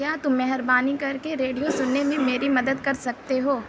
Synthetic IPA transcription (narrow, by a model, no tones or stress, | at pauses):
jaːt̪ʊmːɛɦəɾbaːnikɐɾkeɾeːɖijosʊnːemẽmeːɾimɐd̪əd̪kɐɾsɐk̚t̪eɦoː